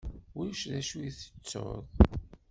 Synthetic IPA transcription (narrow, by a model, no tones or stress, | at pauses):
wuʃðæʃujθə̥t͡sːo̰ðˤ